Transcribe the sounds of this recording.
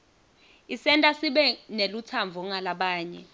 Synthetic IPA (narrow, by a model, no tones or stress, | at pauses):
isɛntʼasiɓɛnelut͡sʰaɱvʱɔŋalaɓaːɲɛ